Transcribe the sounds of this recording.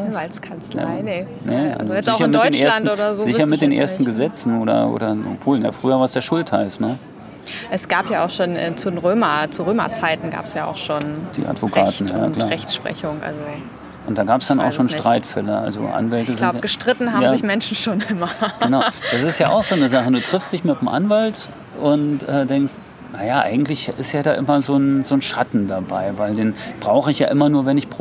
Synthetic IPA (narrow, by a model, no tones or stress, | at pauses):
ʔʊnvalt͡skʰant͡sla̰ɪnə | nəʔa̰lzojɛzɪaʊçɐɪnmdɔɪːt͡ʃneːlantʔoːdɾɐzoːzɪzçɐmɪt̚d̥eːnʔḛɐstn̩ɡəzɛt͡sn̩oːɾɐ̰ʔo̰ːɾɐɔ̰pv̥oːlja̰ːfʁ̥yːɐvaːɐsd̥eːɐʃʊlthaɪstnə | ʔɛsɡ̥aːpjaːa̰ʊxʃoːnʔɛ̰ːt͡sudenʁøːmɐt͡suʁøːmɐ̰t͡saɪtn̩ɡa̰ːpsjaːʔa̰ʊxʃoːnd̥ḭːʔa̰tv̥okʰaːtn̩jaaːlaːʁɛçtʃpʁ̥ɛ̰çʊŋʔa̰lzo | ʔʊntd̥aːɡaːpsd̥ana̰ʃoːnʃtʁ̥aɪtfɛlɐʔa̰lzo̰ʔa̰nvɛltəzɪlʊɡ̥əʃtʁ̥ɪtn̩haːmazɪçmɛnʃn̩ʃoːnʔɪmɐɡənaʊd̥as̬ɪstjaːʔa̰ʊxz̥oːnəzaχəduːtʁ̥ɪfstd̥ɪçmɪtmʔa̰nvalt | ʔʊntʔɛːdɛŋkst | najaːʔa̰ɪɡŋ̩tlɪçɪstjaːdaːʔɪmɐzoːnzoːnʃatn̩dabaɪvaɪldeːnb̥ʁaʊχəɪçja̰ːʔɪmɐnuːɐvɛnɪçpʁo